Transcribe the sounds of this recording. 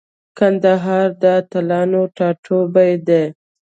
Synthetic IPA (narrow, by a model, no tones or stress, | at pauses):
kand̪aɦɑɾd̪ət̪alɑnoʈɑʈʰobajd̪e